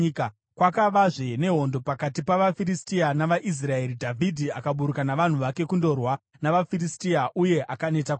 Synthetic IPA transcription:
k | kwakaʋaʐene̞ɦo̞ndo̞pakatipaʋafiɾistianaʋaʔis̬rae̞ɾidʱavʱidʱiakaɓuɾukanaʋan̤uʋake̞kundo̞rwa | naʋafiristiaʔuje̞ʔakane̞tak

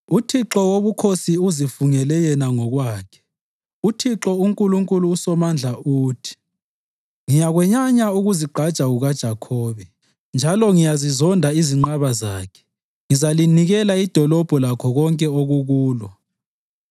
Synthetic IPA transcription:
utʰiǁɔwoβukʰosiuzifuŋɛlɛjɛnaŋɔɣwaːkʰɛ̥ | utʰiǁɔuŋkʼuluŋkʼuluːsɔmand͡ɮʱauːtʰi̥ | ŋijaɣwɛɲaɲauɣuziɡ͡ǃʱad̥ʒ̥ʱaɣuɣad̥ʒ̥ʱakʰɔːβɛ | nd͡ʒʱalɔŋijazizɔndʱaiziŋ͡ǃaβaza̰ːkʰɛ̥ | ŋizaliniɣɛlaid̥ʱɔlɔb̥ʱɔlakʰɔɣɔŋkʼɛoɣuɣuːlɔ

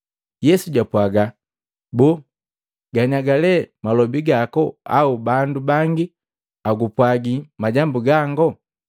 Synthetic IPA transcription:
jɛsuɟapwaɡa | bɔ | ɡaɲaɡalɛmalɔbiɡakɔa̰ubandubaŋɡi | aɡupwaɡimaɟambuɡaŋɡɔ

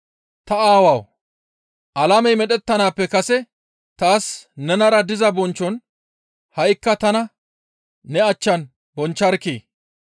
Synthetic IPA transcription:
t̪ɐaːwɐw | ʔɐlɐmɛjmɛɗɛt̪ːɐnaːpːɛkɐsɛ | t̪aːsnɛnɐɾɐd̪ɪzɐbɔnt͡ʃːɔn | hɐjkːɐt̪ɐnɐː | ɛɐt͡ʃːɐn | bɔnt͡ʃːɐɾkːḛː

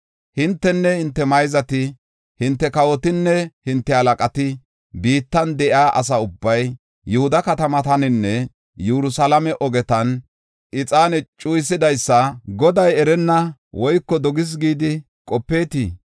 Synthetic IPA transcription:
hɪnt̪ːɛnːɛhɪnt̪ːɛmɐjzɐt̪ɪ | hɪnt̪ːɛkɐwɔt̪ɪnːɛhɪnt̪ːɛhɐlɐkʼɐt̪ɪ | biːt̪ːɐnd̪ɛʔɪaːʔɐ̰s̬ɐʊbːɐj | jɛhʊd̪ɐkɐt̪ɐmɐt̪ɐnɪnːɛ | jɛɾʊsɐlɐmɛʔɔɡɛt̪ɐn | ʔɪt͡sʼaːnɛt͡ʃʼujsɪd̪ɐjsːɐɡɔd̪ɐjɛɾɛnːɐwɔjkːɔd̪ɔɡɪs̬ɡiːd̪ɪ | kʼɔpːe̞ːt̪iː

